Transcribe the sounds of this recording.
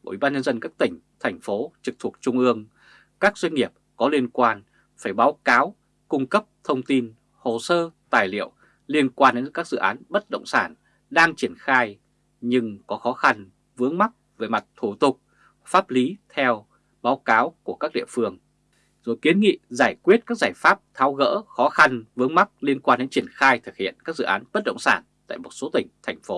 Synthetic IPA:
ʔi˧˩ɓaː˧nɲə˧nzə˧nkaː˦˥k̚t̪ï˧˩ŋ̟t̪ʰɛ˨˩jŋ̟fo˨˦t͡ɕɨ˨˩k̚t̪ʰu˨˩ət̚t͡ɕʊ˧ŋ͡mʔɨ˧əŋ | kaː˦˥k̚z̥wa˧jŋ̟ŋi˨˩əp̚kɔ˨˦li˧ənkwaː˧n | faː˧˩jɓaː˨˦wkaː˨˦w | kʊ˧ŋ͡mkə˦˥p̚t̪ʰə˧wŋ͡mt̪i˧n | ho˨˩səː˧t̪aː˨˩jlḭ˧˨əw | li˧ənkwaː˧nɗe˨˦nkaː˦˥k̚zɨ̰˧˨ʔaː˨˦nɓə˦˥t̚ɗə̰˧˨wŋ͡msaː˧˩n | ɗaː˧ŋt͡ɕi˧˩ənxaː˧j | ɲɨ˧ŋkɔ˨˦xɔ˨˦xa˧n | vɨ˨˦əŋma˦˥t̚ve˨˦jma˨˩t̚t̪ʰu˧˩t̪ʊ˨˩k͡p̚ | faː˦˥p̚li˨˦t̪ʰɛ˧w | ɓaː˨˦wkaː˨˦wku˧˩əkaː˦˥k̚ɗḭ˧˨əfɨ˧əŋ | zo˨˩jki˨˦ənŋḭ˧˨zaː˧˩jkwi˦˥ət̚kaː˦˥k̚zaː˧˩jfaː˦˥p̚t̪ʰaː˨˦wɣə̰ː˧˥xɔ˨˦xa˧nvɨ˨˦əŋma˦˥k̚li˧ənkwaː˧nɗe˨˦nt͡ɕi˧˩ənxaː˧jt̪ʰɨ˨˩k̚hḭ˧˨ənkaː˦˥k̚zɨ̰˧˨ʔaː˨˦nɓə˦˥t̚ɗə̰˧˨wŋ͡msaː˧˩nt̪a̰ː˧˨jmo˨˩t̚so˨˦t̪ï˧˩ŋ̟t̪ʰɛ˨˩jŋ̟fo˨˦

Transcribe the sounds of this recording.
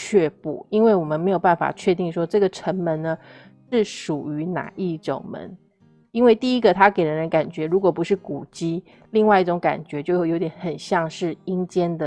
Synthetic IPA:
t͡ɕʰɥɛ˥˧pu˥˩i˥nwe˥˩wɔ˨˩mə˦nme˧˥ɪjo˨˩ʊpa˥˩nfa̰˨˩t͡ɕʰɥɛ˥˧t̪i˥˩ŋʂwɔ˥ʈ͡ʂɤ˥˩ɡə˩ʈ͡ʂʰə˧˥ŋmə˧˥nnə˧ | ʂɻ̩˥˩ʂu˨˩y˧˥na̰˨˩i˥˩ʈ͡ʂʊ̰˨˩ŋmə̰˧˦n | i˥nwe˥˧ɪt̪i˥˩i˦˥ɡə˨t̪ʰa˥ke˨˩ɪɻə˧˦nɻə˧˦nka˨˩nt͡ɕɥɛ˧˥ɻu˧˥kwɔ˨˩pu˧˥ʂɻ̩˥˩ku˨˩t͡ɕi˥ | li˥˧ŋwa˥˧ɪi˥˩ʈ͡ʂʊ˧˥ŋka̰˨˩nt͡ɕɥɛ˧˥t͡ɕjo˥˩ʊjo˧˥ʊt̪jɛ˧˦nxə˨˩nɕjɑ˥˧ŋʂɻ̩˥˩i˥ŋt͡ɕjɛ˥nd̪ə˨

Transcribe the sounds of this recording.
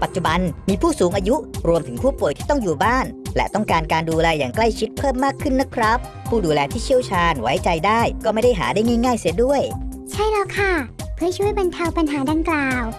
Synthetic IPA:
pa˨˩t̪̚t͡ɕu˨˩ba˧nmiː˧pʰuː˥˩suː˩˦ŋʔaː˧ju˦˥ɾu˧əmt̪ʰɯ˩˦ŋpʰuː˥˩pu˨˩jt̪ʰiː˥˩t̪ɔ˥˩ŋjuː˨˩baː˥˩nlɛ̰˧˥t̪ɔ˥˩ŋkaː˧nkaː˧nduː˧lɛː˧jaː˨˩ŋkla˥˩jt͡ɕʰi˦˥t̪̚pʰɤː˥˩mːaː˥˩kʰːɯ˥˩nːa˦˥kʰɾa˦˥pʰːuː˥˩duː˧lɛː˧t̪ʰiː˥˩t͡ɕʰi˥˩əwt͡ɕʰaː˧nwa̰˦˥jt͡ɕa˧jdaː˥˩jkɔː˥˩ma˥˩jda˥˩jɦa̰ː˩˦daː˥˩jŋaː˥˩jŋaː˥˩jsi˧˩du˥˩əj | t͡ɕʰa˥˩jlɛ˧˩kʰa˥˩pʰɯ˥˩ət͡ɕʰu˥˩əjba˧nt̪ʰa˧wpa˧nɦaː˩˦daː˧ŋklaː˨˧˨w

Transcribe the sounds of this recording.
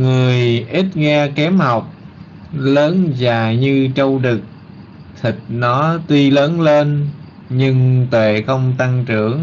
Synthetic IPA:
ŋɨ˨˩əjʔi˦˥t̚ŋɛ˧kɛ˨˦mha˨˩wk͡p̚ | ləː˨˦nzaː˨˩ɲɨ˧t͡ɕə˧wɗɨ˨˩k̚ | t̪ʰi˨˩k̚nɔ˨˦t̪wi˧ləː˨˦nle˧n | ɲɨ˧ŋt̪wḛ˧˨xə˧wŋ͡mt̪a˧ŋt͡ɕɨ˧˩˨əŋ

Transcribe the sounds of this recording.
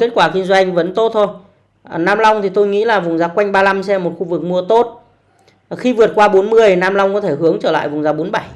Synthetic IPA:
ke˦˥t̚kwaː˧˩ki˧ŋzwa˧jŋ̟və˨˦nt̪o˦˥t̚t̪ʰo˧j | naː˧mla˧wŋ͡mt̪ʰi˨˩t̪o˧jŋḭ˧˥laː˨˩vʊ˨˩ŋ͡mzaː˨˦kwa˧jŋ̟ɓaː˧la˧msɛ˧mːo˨˩t̚xu˧vɨ˨˩k̚mu˧ət̪o˦˥t̚ | xi˧vɨ˨˩ət̚kwaː˧ɓo˨˦nmɨ˧əjnaː˧mla˧wŋ͡mkɔ˨˦t̪ʰe˧˩hɨ˨˦əŋt͡ɕəː˧˩la̰ː˧˨jvʊ˨˩ŋ͡mzaː˨˦ɓo˨˦nɓa˧˩j

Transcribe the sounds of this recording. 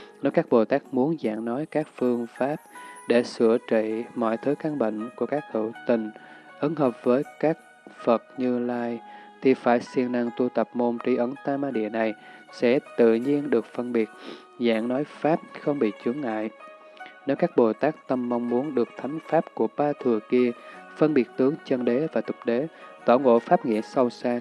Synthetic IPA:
ne˨˦wkaː˦˥k̚ɓo˨˩t̪aː˦˥k̚mu˨˦ənza̰ː˧˨ŋnɔ˨˦jkaː˦˥k̚fɨ˧əŋfaː˦˥p̚ɗe˧˩sɨ˧˩ət͡ɕḭ˧˨mɔ̰˧˨jt̪ʰɨ˨˦ka˧ŋɓḛ˧˨ŋ̟ku˧˩əkaː˦˥k̚t̪ṵ˧˨t̪ï˨˩ŋ̟ | ʔə˨˦nɦəː˨˩p̚vəː˨˦jkaː˦˥k̚ | fə˨˩t̚ɲɨ˧laː˧jt̪ʰi˨˩faː˧˩jsi˧ənna˧ŋt̪u˧t̪ə˨˩p̚mo˧mt͡ɕi˨˦ʔə˨˦ŋt̪aː˧maː˧ɗḭ˧˨əna˨˩jsɛ̰˧˥t̪ɨ̰˧˨ɲi˧ənɗɨ˨˩ək̚fə˧nɓi˨˩ət̚ | za̰ː˧˥ŋnɔ˨˦jfaː˦˥p̚xə˧wŋ͡mɓḭ˧˨t͡ɕɨ˨˦əŋŋa̰ː˧˨j | ne˨˦wkaː˦˥k̚ɓo˨˩t̪aː˦˥k̚t̪ə˧mːa˧wŋ͡mmu˨˦ənɗɨ˨˩ək̚t̪ʰa˨˦jŋ̟faː˦˥p̚ku˧˩əɓaː˧t̪ʰɨ˨˩əki˧əfə˧nɓi˨˩ət̚t̪ɨ˨˦əŋt͡ɕə˧nɗe˨˦vaː˨˩t̪ʊ˨˩k͡p̚ɗe˨˦t̪oː˧˩ŋo̰˧˨faː˦˥p̚ŋḭ˧˨əsə˧wsaː˧

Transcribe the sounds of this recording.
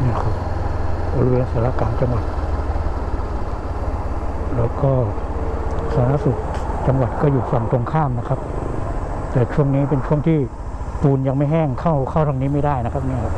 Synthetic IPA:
niː˥˩kʰɯ˧˩bo˧li˧weː˧nsaː˩˦laː˦˥˩kaː˧nt͡ɕa˧ŋwa˨˩t̪̚ | lɛː˦˥wkɔː˥˩ | sʰaː˧˩˦na˦˥˨su˨˩k̚t͡ɕa˧ŋwa˨˩t̪̚kɔː˥˩juː˨˩fa˨˩ŋt̪o˧ŋkʰaː˥˩mna˦˥kʰa˦˥p̚ | t̪ɛː˨˩t͡ɕʰu˥˩əŋniː˦˥pe˧nt͡ɕʰu˥˩əŋt̪ʰiː˥˩ | p̪uː˧nja˧ŋma˥˩jɦɛː˥˩ŋkʰa˥˩wkʰa˥˩wt̪ʰa˧ŋniː˦˥˩ma˥˩jdaː˥˩jna˦˥kʰa˦˥p̚niː˧˥˩a˦˥

